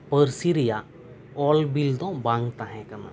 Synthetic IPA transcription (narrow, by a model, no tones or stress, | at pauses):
pəɾsiɾija | ɔlbild̪ɔ̃bãŋɡt̪aɦɛ̃kana̰